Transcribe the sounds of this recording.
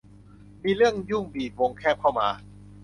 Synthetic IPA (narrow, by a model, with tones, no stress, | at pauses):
miː˧ɾɯ˥˩əŋjuː˥˩ŋbiː˨˩t̪̚wo˧ŋkʰɛː˥˩p̚kʰa˥˩wma̰ː˧